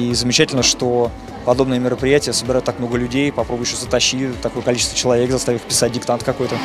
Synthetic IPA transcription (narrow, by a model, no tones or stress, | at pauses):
izəmʲɪt͡ɕætʲɪlʲnəʂt̪o | pɐd̪o̞bnəjəmʲɪɾəpɾʲɪjætʲɪjəsəbʲɪɾajʊt̪ːak̚mno̞ɡəlʲʉdʲejpɐpɾo̞bʊjɕosət̪ɐɕːit̪ɐko̞jəkɐlʲit͡ɕɪst̪vət͡ɕɪlˠɐvʲe̞kzɐst̪avʲɪɪxpʲɪ̥sat̚ʲdʲɪkt̪ant̪kɐko̞jt̪ə